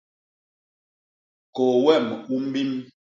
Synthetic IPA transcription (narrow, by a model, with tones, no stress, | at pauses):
ko˨wɛ˦˨m˨ku˦m̩˦bi˦m